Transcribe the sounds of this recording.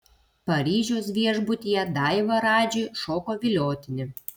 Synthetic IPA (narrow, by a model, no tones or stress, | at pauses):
pɐɾʲiːʒʲoːsʋʲiɛʒbʊt̪ʲijɛd̪ɑɪʋɐɾɑːd͡ʒʲijʃoːkoːʋʲɪlʲoːt̪ʲɪnʲɪ